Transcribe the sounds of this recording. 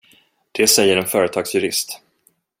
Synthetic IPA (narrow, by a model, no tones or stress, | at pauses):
d̪̥ɛsɛjːəɾɛnfœːɾət̪ʰɑːɡsjɵɾɪ̰st̪